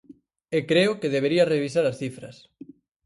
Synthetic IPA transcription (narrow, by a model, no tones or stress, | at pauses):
ekɾeʊkeðeβ̞eɾiɐreβ̞isaɾɐsθifɾɐ̰s